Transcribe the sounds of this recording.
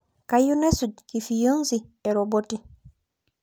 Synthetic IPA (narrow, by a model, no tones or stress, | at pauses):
kajunesudkifijəŋzieɾoboti